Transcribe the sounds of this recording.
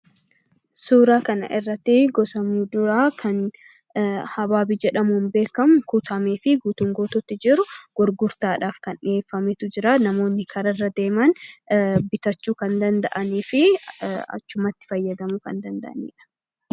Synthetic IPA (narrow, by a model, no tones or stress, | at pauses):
suːɾaːkɐnɐ̰ʔɪrːɐt̪ːɪɡɔsɐmuᶑ̪ʊɾaːkʰɐn | hɐbaːbid͡ʒɛᶑɐmʊhnbe̞ːkɐmʊkut̪ʰɐmeːfɪɡuːt̪ʊŋɡoːt̪ɔt̪ːɪd͡ʒɪɾʊɡ̥ɔɾɡʊɾt̪aːᶑaːfkɐnᶑɪeːfːɐmɛt̪ʊd͡ʒɪɾaːnɐmo̞ːnːɪkʰɐɾɐrːɐd̪e̞ːmɐn | bɪt̪ɐt͡ʃːuːkɐnd̪ɐnd̪ɐʔɐniːfɪɐ̰t͡ʃːʊmɐt̪ːɪ̥fɐjːɐd̪ɐmukɐ̰nd̪ɐnd̪ɐ̰ʔɐnḭːᶑɐ̥